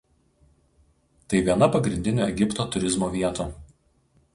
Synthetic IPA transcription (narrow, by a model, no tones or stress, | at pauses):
t̪ɐɪʋʲiɛnɐpɐɡɾʲɪnʲd̪ʲɪnʲʊːˑɛɡʲɪpt̪oːt̪ʊɾʲɪzmoːʋʲiɛt̪u